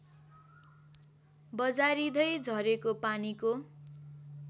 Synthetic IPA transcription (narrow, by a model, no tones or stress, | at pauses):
bʌd͡zaɾid̪ʌjd͡zʱʌɾekopaniko